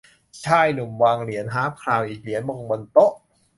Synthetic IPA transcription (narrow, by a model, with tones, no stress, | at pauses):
t͡ɕʰaː˧˩jnu˨˩mwaː˧ŋli˩˦ənɦaː˦˥mkʰlaː˧˩wʔiː˨˩k̚li˩˦nmo˧ŋbo˧nt̪o˦˥ʔ